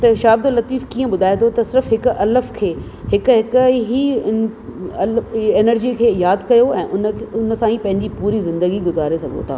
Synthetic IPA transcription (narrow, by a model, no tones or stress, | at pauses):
t̪ɐʃaːbd̪lɐt̪iːfkiːə̃ɓʊd̪ʱaːet̪ʰot̪ɐsɪɾfɦɪkɐləfkʰeː | ɦɪkɦɪkɦiɪɐleːnəɾd͡ʑiːkʰeːjaːd̪kɐjoɛ̰̃ːʔʊnʊnəsãːĩpɐ̃ɦɪ̃ɲd͡ʑipuːɾizɪ̃nd̪əɡiɡʊzaːɾesɐɡʱo̰t̪ʰaː